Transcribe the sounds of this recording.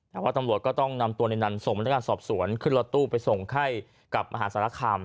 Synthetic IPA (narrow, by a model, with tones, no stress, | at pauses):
t̪ɛː˨˩waː˥˩t̪a˧mɾu˨˩t̪̚kɔː˥˩t̪ɔ˥˩ŋna˧mt̪u˧əna˧jna˧nso˨˩ŋpa˧na˦˥kaː˧sɔː˨˩p̚su˩˦ənkʰɯ˥˩nlo˧t̪ːuː˥˩pa˧jso˨˩ŋkʰa˥˩j | ka˨˩p̚ʔa̰˧ɦaː˩˦saː˧˦la˧˥˩kʰaː˧m